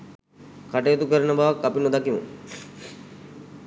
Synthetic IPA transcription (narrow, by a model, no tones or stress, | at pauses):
kaʈejet̪ukəɾənəbaʋakːapinud̪akimṵ